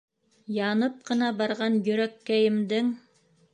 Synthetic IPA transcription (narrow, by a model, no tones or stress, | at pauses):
jɑnɤp̚qɤ̆nɑbɑɾʁɑnjɵ̆ɾækːæjɘ̆md̪ɘŋ